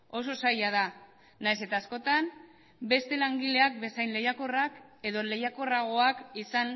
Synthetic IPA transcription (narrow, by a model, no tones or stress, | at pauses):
o̞s̬o̞sajað̞a | najse̞t̪aːsko̞t̪am | be̞st̪e̞laŋɡile̞ak̚be̞sajnle̞jako̞rake̞ðo̞le̞jako̞raɣ̞o̞akisan